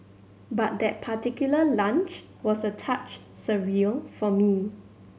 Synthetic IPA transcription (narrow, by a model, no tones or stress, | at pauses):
bat̚d̪ɛt̚pʰatikjuləlãnt͡ʃ | wɔsətʰat͡ʃ | səɹifɔmi